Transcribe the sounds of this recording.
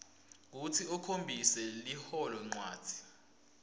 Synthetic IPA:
k̬utʰiukʰombʱisɛlihɔlɔŋ͡ǀwa̰ːd̥ʱi̥

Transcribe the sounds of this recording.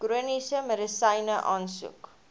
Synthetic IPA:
ɡ̥ɾuənisəmɾəsɐjnəʔɑːnsṵk

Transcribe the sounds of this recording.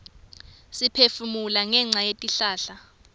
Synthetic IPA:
sipʰefumulaŋɛŋ͡ǀʱajetʼiɬaːɬa

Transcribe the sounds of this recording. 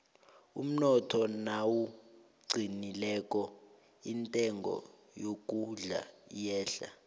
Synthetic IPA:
ṵm̩nɔtʰɔnawu | ɡ͡ǀʱinilɛkʼɔ | intʼɛŋɡʱɔ̰ | jok̬ʼuɮa̰jɛːɬa̰

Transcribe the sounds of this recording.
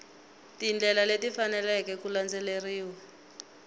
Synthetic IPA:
tind͡ɮɛlaletifanɛlɛkɛkuland͡zɛleriːwa

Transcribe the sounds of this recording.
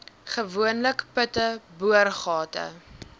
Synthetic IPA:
χəvuənləkpətəbuərχɑːtə̰

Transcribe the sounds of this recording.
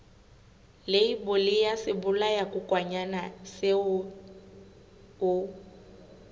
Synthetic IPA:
leibʊlɪjasɪbʊlajakʼʊkʼwaɲanasɪ | ʊ

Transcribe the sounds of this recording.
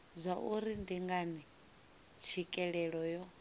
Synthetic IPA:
zʷaʔuɾindiŋɡani | t͡ʃʰikʼɛɺɛɺɔjɔ

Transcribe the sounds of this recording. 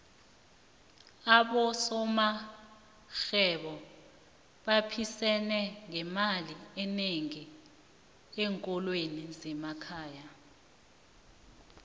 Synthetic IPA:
aɓɔsɔma | xɛɓɔ | ɓapʰisɛnɛŋɛmaliɛneŋi | ɛŋkʼɔlwenizɛmakʰaːja

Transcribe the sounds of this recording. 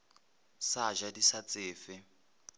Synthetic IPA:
saʒadisat͡sʼɪːfɪ

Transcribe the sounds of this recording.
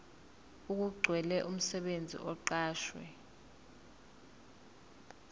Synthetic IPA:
uk̬uɡ͡ǀʱwɛlɛʔum̩sɛɓend͡zʱḭʔɔǃaːʃwɛ̰

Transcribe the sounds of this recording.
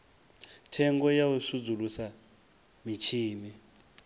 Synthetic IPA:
tʰɛŋɡɔjawusud͡zulusa | mit͡ʃʰiːmi

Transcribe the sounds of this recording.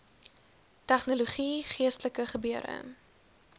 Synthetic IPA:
tæχnoloχiχiəstələkəχəbyəɾə̰

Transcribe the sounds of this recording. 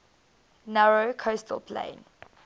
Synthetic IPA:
naɹokʰostʰə̰lpʰlḛ̃ɪn

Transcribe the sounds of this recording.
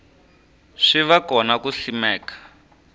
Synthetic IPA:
ʂiʋakɔnakuɬimɛːkḁ

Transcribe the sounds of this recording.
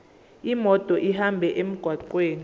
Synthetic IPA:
imɔtʼɔʔihambʱɛʔem̩ɡ̥ʱwaǃweːni

